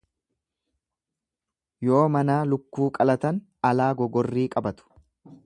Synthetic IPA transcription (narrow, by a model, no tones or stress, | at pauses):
jo̞ːmɐnaːlʊkːuːkʼɐlɐt̪ɐn | ɐlaːɡɔɡɔrːiːkʼɐbɐt̪ʊ̥